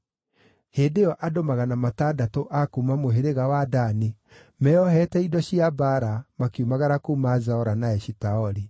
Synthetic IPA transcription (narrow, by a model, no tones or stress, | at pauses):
heːndejɔʔadomaɣanamatadatoʔakuːmamoɦeɾeɣawadani | mɛɔhɛtɛidɔɕiabaɾamakeumaɣaɾakuːmazaɔɾanaɛʃitaɔɾi